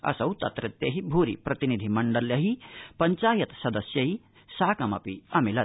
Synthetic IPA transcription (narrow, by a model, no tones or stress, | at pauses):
ɐ̰sɐwt̪ɐt̪ɾɐt̪ːjeɦibʱuɾḭpɾɐt̪inid̪ʱimɐɳɖɐljɐɦipɐɲt͡ʃaːjɐt̪sɐd̪ɐsjɐɦi | saːkɐmɐ̰piɐmilɐ